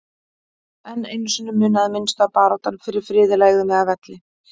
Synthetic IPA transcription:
ɛnːejnːʏsʏnʏmːʏːnaðɪmɪnst̪apaːɾawt̪anfɪɾɪɾ̥fɾɪːðɪlaːjɣʏmɪavɛt̪lɪ

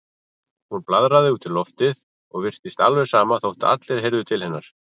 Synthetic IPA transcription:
hunplaðɾaðɪuːt̪ɪlɔft̪ɪð | ɔɣvɪr̥t̪ɪst̪alvɛɾ̥saːmaθowht̪ɪ̰a̰t̪lɛɾ̥ɦejɾðʏt̪ʰɪlhɛnːaɾ̥

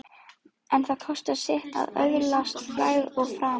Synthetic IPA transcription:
ɛnθaðkʰɔst̪asɛht̪a̰ðœ̰ɣlast̪flaːjðɔɣfɾaː

